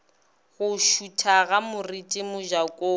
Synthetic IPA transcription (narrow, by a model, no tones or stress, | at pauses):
ɣʊʃutʰaɣamʊritʼɪmʊʒakʼoː